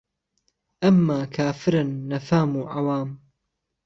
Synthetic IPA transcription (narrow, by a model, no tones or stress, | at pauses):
ʔɐmːaːkʰaːfɪɾanːɐfaːmuːʕawaːm